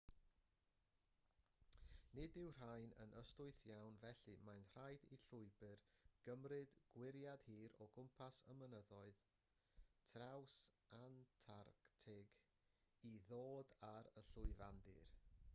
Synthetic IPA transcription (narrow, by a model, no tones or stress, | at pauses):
nɪdɪwr̥ajnə̰nəstʊɨθjawnvɛɬɨmajntr̥ajdiɬʊɨbɨrɡ̥əmrɨdɡ̥wɪɾjad̥hiːɾɔɡʊmpʰasəmənəðɔɨð | tʰraws | antʰarktʰɪɡ | iðoːdaɾəɬʊɨvandɨ̰r